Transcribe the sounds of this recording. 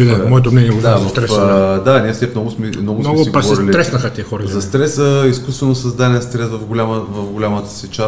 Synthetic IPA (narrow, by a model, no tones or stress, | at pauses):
iɛmɔɛt̪omnɛniɛd̪avɐst̪ɾɛfd̪anʲiɛsɛnɔɡʊsmɛmnɔɡʊɔmɡ̪ibpaɔɛɾiliɾɛsnɐxət̪ʲiɛxɔɾɐzɐst̪ɾɛsəiskust̪vɛnosɐzd̪aniɛst̪ɾɛsvɐfɡʊlʲaməvɐvɡʊlʲamət̪ə̥sɛt͡ʃa